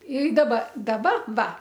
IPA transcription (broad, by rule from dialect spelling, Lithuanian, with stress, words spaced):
ɪ dɐˈbɐ dɐˈbɐ ˈʋɐ